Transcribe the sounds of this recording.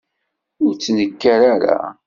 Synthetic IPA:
ʊɾt͡sːnəkːaɾaɾa̰

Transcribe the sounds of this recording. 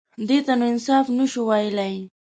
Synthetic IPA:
d̪ɪt̪anwɪnsafnʊʃʊwajlaj

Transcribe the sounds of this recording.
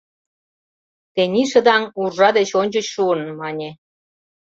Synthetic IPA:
t̪enʲiʃə̆d̪ɑŋurʒɑd̪et͡ɕonʲd͡ʑə̆t͡ɕʃuənmɑnʲe

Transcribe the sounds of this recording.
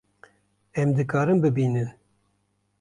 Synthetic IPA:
ɛmd̪ɨkɑːɾɨmbɨbiːnɨn

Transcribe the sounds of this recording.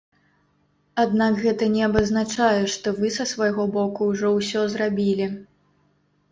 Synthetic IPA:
ad̪nakɣɛt̪ɐnʲɛɐbɐznat͡ʂajɛʂt̪ɔvɨsɐsvajɣɔbɔkuwʐɔwsʲɔzrabʲilʲi

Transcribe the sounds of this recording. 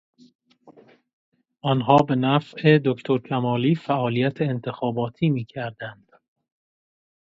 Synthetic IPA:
ʔɒːnɦɒːbe̞næfʔe̞d̪okʰt̪ʰoɾcʰæmɒːliːfæʔɒːlijæt̪ʰeːnt̪ʰe̞xɒːbɒːt̪ʰiːmiːcʰæɾd̪ænd̪̥

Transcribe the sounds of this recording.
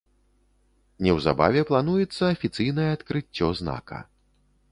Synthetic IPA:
nʲɛwza̰ba̰vʲɛplˠanujɛt̪sːɐːfʲit̪sɨjnɐjɛat̪kɾɨt͡sʲːɔzna̰kɐ̰

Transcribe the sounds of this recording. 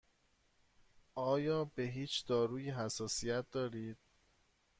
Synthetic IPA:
ʔɒːjɒːbe̞ɦiːt͡ʃʰd̪̥ɒːɾuːjiɦæsɒːsijæt̪̚ʰd̪ɒːɾiːd̪̥̚

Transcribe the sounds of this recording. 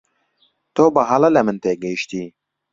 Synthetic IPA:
t̪oːbɐɦɐlɐlɐmɨnt̪eːɡɐjʃt̪iː

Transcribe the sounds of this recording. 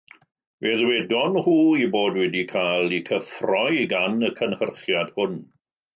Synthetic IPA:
veðwɛdɔnhuːiboːdwɛdikʰaːlˠikʰəfrɔjɡanəkʰənhərχjad̥hʊn

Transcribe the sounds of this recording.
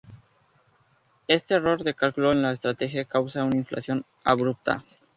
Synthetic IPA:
e̞st̪e̞ːro̞ɾðe̞kalkuloenlaest̪ɾat̪e̞xjakawsaunaiɱfla̰sjo̞n | a̰βɾup̚t̪a̰

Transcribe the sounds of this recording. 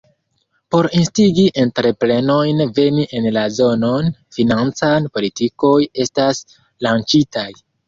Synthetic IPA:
po̞ɾinstiɡiʔe̞ntɾe̞pɾe̞no̞jnve̞niʔe̞nlazo̞no̞nfinant͡sanpo̞litiko̞je̞stas | lant͡ʃitaj

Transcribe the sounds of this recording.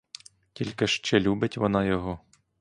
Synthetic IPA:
tʲilʲkɪʃt͡ʃɛlʲubɪtʲʋɔnɑjɔɦɔ

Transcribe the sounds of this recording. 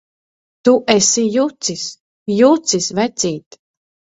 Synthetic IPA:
t̪uʔɛsijut̪sis | jut̪sisvɛt̪sʲiːt̪

